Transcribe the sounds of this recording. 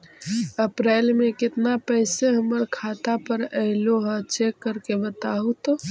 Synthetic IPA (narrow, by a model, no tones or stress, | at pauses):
əpɾeːlmekɪt̪napəɪseɦəməɾkʰat̪apəɾəɪloɦət͡ʃekːəɾkebət̪aɦut̪o